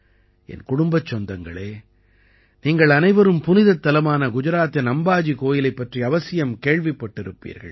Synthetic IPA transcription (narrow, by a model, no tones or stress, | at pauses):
ɛ̰nkʊɽʊmbɐt͡ʃːɔnd̪ɐŋɡɐɭeː | niːŋɡɐɭɐnɐɪʋɐɾɯmpʊnɪðɐt̪ːɐlɐmaːnɐɡʊd͡ʒɐɾaːt̪ːɐnɐmbaːd͡ʒikoːjɪlɐɪpːɐʈriɐʋɐsɪjɐmkeːɻʋɪpːɐʈːɪɾɯpːḭːɾɣɐ̰ɭ